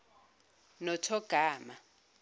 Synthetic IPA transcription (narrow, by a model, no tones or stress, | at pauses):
nɔtʰɔɡ̥ʱaːma